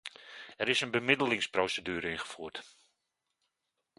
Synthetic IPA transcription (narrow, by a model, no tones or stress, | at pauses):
ɛɾɪsənbəmɪdəlɪŋsprowsədyːɾəɪnχə̥fuːt